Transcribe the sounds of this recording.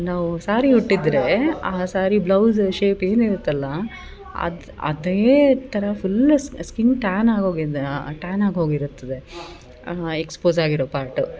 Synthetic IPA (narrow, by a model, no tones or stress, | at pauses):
naːʋusaːɾiuʈːid̪ɾe̞aːsaːɾiblɐwzʃeːpe̞ːniɾut̪ːɐlːɐ | ɐ̰d̪ | ɐ̰d̪eːt̪ʰɐɾɐpʰulːskinʈaːnaːɡoːɡiʈaːnaːɡɦoːɡiɾut̪ːɐd̪e̞ | ekspoːzaːɡiɾoːpaːɾʈu